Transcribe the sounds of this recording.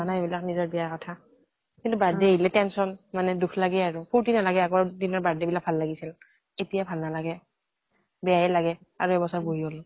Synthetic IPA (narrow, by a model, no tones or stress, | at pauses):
anaebilak̚nizɔɹbɛjakɔtʰa | kintubaɹdɛɦilɛtɛnsɔnmanɛdukʰlaɡɛaɹupʰuɹtinalaɡɛaɡɔɹdinɔɹbadɛbilak̚bʱalːaɡisil | etijabʱalnalaɡɛ | bɛjajɛlaɡɛ | aɹuɛbɔsaɹboɹiɔlɔ